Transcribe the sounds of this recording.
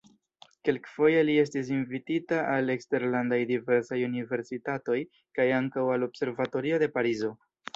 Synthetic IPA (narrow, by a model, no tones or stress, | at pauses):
ke̞lkfo̞jelie̞s̬tis̬invititaale̞kste̞ɾlandajdive̞ɾsajunive̞ɾsitato̞j | kajaŋkawalo̞bse̞ɾvato̞ɾio̞de̞paɾizo̞